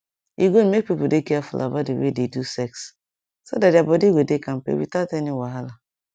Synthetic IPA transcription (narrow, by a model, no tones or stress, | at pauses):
ḭɡomek̚pipudekɛafṵlʔa̰ba̰tdewḛdedusɛks | sodatdjabɔdiɡwedekãm̩pḛwḭtateniwaɦala